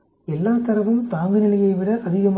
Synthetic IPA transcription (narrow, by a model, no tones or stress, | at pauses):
ɛlːaːt̪ɐɾɐʋɯmt̪aːŋɡɯnɪlɐjɐɪʋɪɽɐʔɐðɪɣɐm